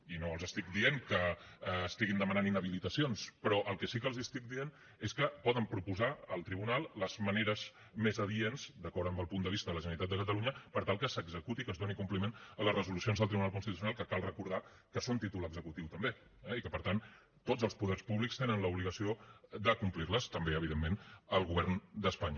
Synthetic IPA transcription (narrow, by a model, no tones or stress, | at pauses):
inoəlˠzəst̪ik̚d̪ieŋkəːst̪iɣind̪əmənaninəβilit̪əsionspɾɔʔəlˠkɛsikəlˠzist̪ik̚d̪ien | eskəpɔðəmpɾupuzaəlˠt̪ɾiβunalˠləzməneɾəz | mezəβienzd̪əkɔɾəmbəlˠpund̪əβ̞ist̪əðələʒənəɾit̪at̪əkəəluɲəpəɾt̪alˠkəsəɡzəkut̪ikəzd̪onikumplimenələzrəzulusionzðəlˠt̪ɾiβunalˠkunst̪it̪us̬junalˠkəkalˠrəkuɾð̞a | kəsont̪it̪uləɡzəkut̪iwt̪əmbe | ɛikəpəɾt̪an | t̪od͡zəlˠspuðɛrspuβlikst̪enənləuβliɣəsiod̪əkumplirləst̪əmbeəβ̞iðemːenəlˠɣuβɛrnd̪əspaɲə